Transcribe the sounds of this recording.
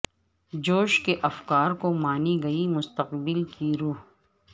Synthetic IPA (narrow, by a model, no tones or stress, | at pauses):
d͡ʒoːʃkeʔɐfkaːɾkomaːniɡɐimʊst̪əqbɪlkiɾuːɦ